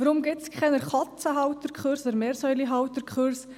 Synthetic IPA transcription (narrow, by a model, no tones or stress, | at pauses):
vəɾʊmɡɪtskʰχɛnəɾχɑt͡səɦɑwt̪əɾkχøɾsɔd̪əɾmeːɾsœʏliɦɑwt̪əɾkχøɾs